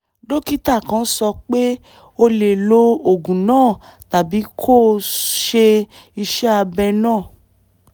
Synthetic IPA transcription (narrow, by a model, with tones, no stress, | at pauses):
do˦ki˦ta˦˨kã˧˦sɔ˧k͡pe˦ | o˧le˨lo˧o˨ɡũ˨nãː˦˨ta˨bi˨˦kʰo˦˨ʃe˧ | i˧ʃɛ˦a˧bɛ˧nãː˦˨